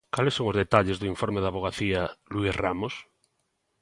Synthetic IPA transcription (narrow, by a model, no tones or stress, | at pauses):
kalesoŋozðet̪aʎezðuiɱfoɾmeðaβ̞oɣ̞aθialuisramos